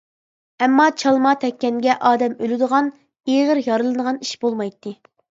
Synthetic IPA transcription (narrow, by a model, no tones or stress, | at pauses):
ɛmːɑt͡ʃʰɑlˠmɑt̪ʰɛkʲːɛnɡʲɛʔɑːd̪ɛmølɪd̪əʁɑn | eʁəɾjɑɾɨlˠɨd̪əʁɑniʃbolˠmɑjt̪ʰːɨ